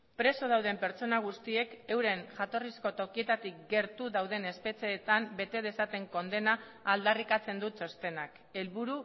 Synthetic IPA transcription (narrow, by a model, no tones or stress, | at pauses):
pɾe̞so̞ð̞awð̞e̞mpe̞ɾt͡so̞naɣ̞ust̪ie̞ke̞wɾe̞ŋʝat̪o̞risko̞t̪o̞kie̞t̪at̪ik̚ɡe̞ɾt̪uðawðe̞ne̞spe̞t͡se̞ːt̪ambe̞t̪e̞ð̞e̞sat̪e̞ŋko̞nd̪e̞naː | ld̪arikat͡se̞nd̪ut͡so̞st̪e̞nak | e̞lβuɾu